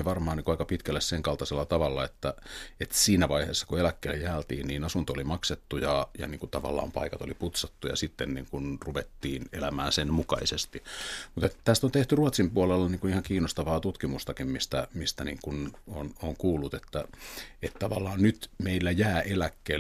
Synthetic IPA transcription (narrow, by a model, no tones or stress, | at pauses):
ʋɑrmɑːniŋkuɑikɑpit̪kælːesseŋkɑlt̪ɑselːɑt̪ɑʋɑlːɑet̪ːæet̪siːnæʋɑihḛːsːɑ̥kuelækːeilːejæːlt̪ḭːnniːnɑsunt̪oolimɑkset̪ːujɑjɑ̰niːŋkut̪ɑʋɑ̰lːˑɑ̰ːmpɑ̰ikɑt̪oliput̪sɑt̪ːujɑ̰sit̪ːennḭːŋkunruʋet̪ːiːnelæmæ̰ːnsenmukɑ̰isest̪imut̪et̪t̪æst̪ont̪eht̪yruɑt̪simpuolelːɑniːŋkunihɑŋkiːnost̪ɑʋɑːt̪ut̪kimust̪ɑkimmist̪æmist̪æniːŋkunonoŋkuːlːut̪et̪ːæet̪t̪ɑʋɑ̰lːˑɑːnnyt̪meilːæjæːʔelækːeː